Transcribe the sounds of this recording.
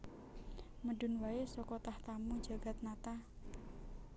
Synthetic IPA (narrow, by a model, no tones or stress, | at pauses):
məɖṳnwaesɔkɔt̪aht̪amu̥d͡ʒa̤ɡ̥a̤t̪̚nat̪a